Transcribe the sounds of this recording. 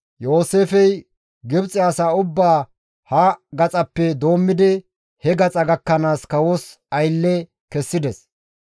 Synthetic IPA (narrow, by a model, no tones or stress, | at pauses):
jo̞ːseːfɛj | ɡɪbt͡sʼɪjaːsaːʊbːaː | hɐɡɐt͡sʼɐpːɛd̪o̞ːmːɪd̪ɪ | hɛɡɐt͡sʼɐɡɐkːɐnaːskɐwos | ɐjlːɛ | kɛsːɪd̪ɛs